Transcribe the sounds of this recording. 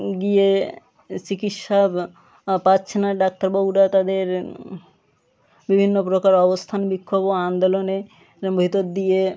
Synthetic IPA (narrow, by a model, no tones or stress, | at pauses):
ɡije | t͡ɕikitʃab | patːɕʰenaɖak̚t̪aɾbobuɖat̪ad̪eɾ | bibʱinːopɾokaɾɔbost̪ʰanbikʰːoboand̪olone | bʱit̪od̪d̪ije